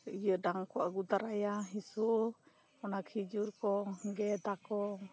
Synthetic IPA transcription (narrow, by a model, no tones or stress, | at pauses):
ijədaŋkɔaɡud̪aɾajaɦisuʔ | ɔnakʰid͡ʒuɾkɔɡɛd̪akɔ